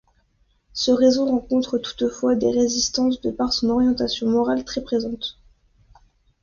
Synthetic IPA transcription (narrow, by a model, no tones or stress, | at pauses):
səʁezoʁɑ̃kɔ̃t̪χət̪u̥t̪fwad̪eʁezist̪ɑ̃s̬d̪əpaʁsɔ̃nɔʁjɑ̃t̪asjɔ̃mɔʁalt̪χɛpχezɑ̃t̪